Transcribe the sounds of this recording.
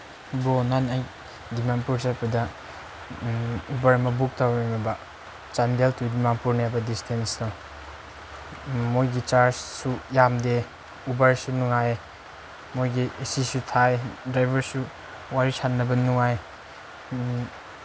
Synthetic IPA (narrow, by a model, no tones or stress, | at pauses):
bonanaj | dimanpuɾt͡ʃajpɐdɐ | ubɐɾmɐbuk̚tawmamɐbɐ | t͡ʃandeltʰudimanpuɾnjabɐdistʰensdaw | mojɡit͡ʃaɾd͡ʒsujamde | ubɐɾsunuŋaj | mojɡiesisutʰajdɾajbɐɾsu | waɾisanːɐbɐnuŋaj